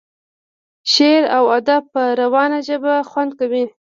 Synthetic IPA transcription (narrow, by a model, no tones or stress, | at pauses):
ʃeɾawad̪apəɾawɑnaʒəbaxwand̪̚kawi